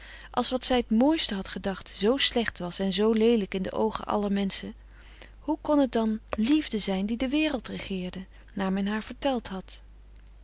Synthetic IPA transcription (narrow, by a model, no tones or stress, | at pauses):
ʔɑ̰lˠsʋɑtsɛjətmoːjstəɦɑtχədɑχtz̥owslɛχtʋɑsɛnzowlejləkɪndə̰ʔo̰wχə̰nʔɑ̰ləɹmɛnsə | hukɔnɦət̚dɑnlivdəzɛjndidəʋɪːrəlˠtrəχɪːɹdə | naːɹmɛnɦaːɹv̥əɹtɛlˠtɦɑt